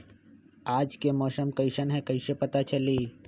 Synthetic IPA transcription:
aːd͡ʒkemɔːsəmkɐɪʃənɦɛ̃kɐɪʃepɐt̪at͡ʃɐliː

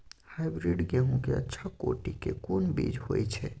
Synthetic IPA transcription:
hajbɾiɖɡɛɦũkeə̰tːʃʰako̰ʈikekonbḭd͡ʒhojt͡ʃʰɛ

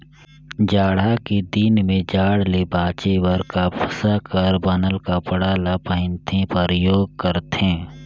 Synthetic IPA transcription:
d͡ʒaːɽakid̪iːnmẽd͡ʒaːɽlebaːt͡ʃewəɾkapʰəsakɐɾbɐnəlkapəɽaːlapəɦɪ̃nt̪ʰẽpɐɾjoːɡ̚kəɾt̪ẽː

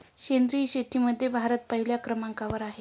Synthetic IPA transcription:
ɕend̪ɾiːɕet̪iməd̪ʱːjebʱaɾət̪̚pəɦiljakɾəmaŋkaʋəɾaɦe

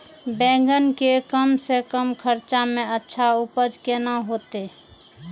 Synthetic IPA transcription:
bɛ̃ŋ̆ɡənkekəmsekəmkʰəɾt͡ʃameətːʃʰaupəd͡ʒkenaɦot̪e

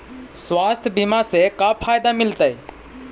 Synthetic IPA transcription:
swaːst̪ʰbimasekapʰaːjd̪amɪlt̪əj

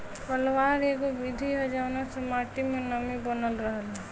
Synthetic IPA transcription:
pəlʋaːɾeɡoʋɪd̪ʱiɦɛd͡ʒaːnasemaːʈimẽnəmibənəlɾəɦəlɛ

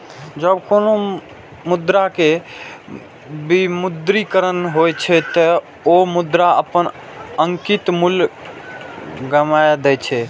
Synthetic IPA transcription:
d͡ʒəbkono | mud̪ɾake | bimud̪ɾikəɾənɦojt͡ʃʰɛt̪ə | omud̪ɾaəpən | əŋkit̪mul | ɡəmajd̪ɛt͡ʃʰɛ

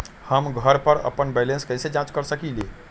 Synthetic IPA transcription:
həmɡʱəɾpəɾə̰pənbɛlẽnskəjsed͡ʒãt͡ʃkəɾsəkili

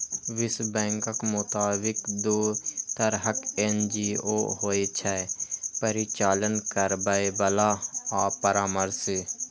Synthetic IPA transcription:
ʋɪsbɛ̃ːŋkəkmʊt̪aːbɪkd̪uːt̪əɾɦəkend͡ʒiːoːɦoːet͡ʃʰɛːpəɾit͡ʃaːlənkəɾbəebəlaːaːpəɾaːməɾsɪ

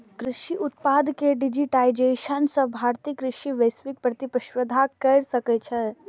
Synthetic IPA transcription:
kɾɪʃiʔʊt̪̚paːd̪keɖɪd͡ʒiʈaːɪd͡ʒeʃənsə̃bʱaːɾt̪ikɾɪʃiʋəjsʋik̚pɾət̪ipɾəʃʋəd̪ʱakɐɾsəkɛt͡ʃʰɛ

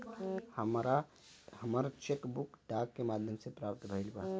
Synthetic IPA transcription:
həmɾa | həmaɾat͡ʃekbʊkɖaːkːemaːd̪ʱjəmsepɾaːpt̪bʱəɪlba

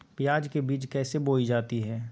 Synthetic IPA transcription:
pjaːd͡ʒkebiːt͡ʃkɛːseboːid͡ʒaːt̪iɦɛː

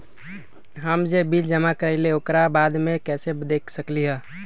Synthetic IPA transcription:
ɦəmd͡ʒebild͡ʒəmakəɾɛɪleokɾabaːd̪mẽkɛːsed̪eːkʰsəkliɦɛː

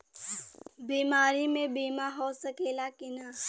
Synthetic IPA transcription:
biːmaːɾimẽbiːmaɦosəkeːlakɪna

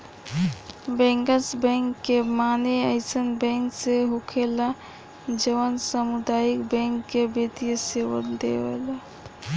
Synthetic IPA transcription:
bɛ̃ŋkəsbɛ̃ŋkːemaneəɪsənbɛ̃ŋkseɦokʰela | d͡ʒəʋənsəmud̪ajikbɛ̃ŋkːebet̪ijəseʋə̰d̪ḛʋḛla

